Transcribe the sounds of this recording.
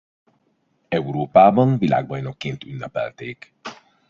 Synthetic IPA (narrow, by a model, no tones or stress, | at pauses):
ɛuɾoːpaːbɒnvila̰ːɡ̚bɒjno̞kːeːnt̪ynːɛpɛ̰lt̪eːk